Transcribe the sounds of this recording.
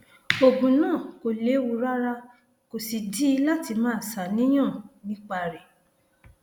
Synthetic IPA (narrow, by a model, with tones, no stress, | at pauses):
o˨ɡũ˨nãː˦˨ko˨le˨˦wu˧ɾa˦ɾa˦ | ko˨si˨di˦la˦ti˧mãː˨˦˨sa˨nĩ˨˦j̃ã˦˨nĩ˦k͡pa˧ɾe˨